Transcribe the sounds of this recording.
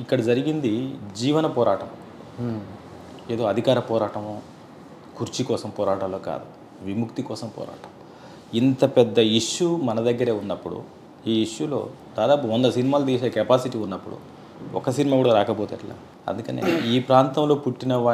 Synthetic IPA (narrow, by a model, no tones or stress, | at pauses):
ikːɐɽɐd͡ʒɐɾiɡind̪id͡ʒiːʋɐnɐpɔːɾaːʈɐm | e̞ːd̪o̞ːɐd̪ʱikaːɾɐpɔːɾaːʈɐmoː | kuɾt͡ʃikɔːsɐmpɔːɾaːʈaːloːka̰ːd̪u | ʋimukt̪ikɔːsɐmpɔ̰ːɾa̰ːʈɐm | int̪ɐpɛd̪ːɐiʂːumɐnɐd̪ɐɡːɐɾeːunːɐpːuɽṵ | iːiʂjulo̞̰ː | d̪̥aːd̪aːpuɔnd̪ɐsinimaːlɐd̪iːseːkɛpaːsiʈiːunːɐpːuɽṵ | ɔ̰kɐsinimaːɡuːɽaːɾaːkɐbɔːt̪ɐʈla̰ː | ɐ̰nd̪ukɐnḛːiːpɾaːnt̪ɐmlo̞ːpuʈːinɐʋa